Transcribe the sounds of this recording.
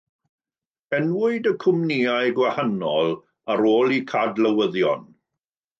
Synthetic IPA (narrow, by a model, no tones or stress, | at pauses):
ɛnwʊɨdəkʰʊmniajɡwahanɔlˠ | aɾoːlˠikʰadləwəðjɔ̰n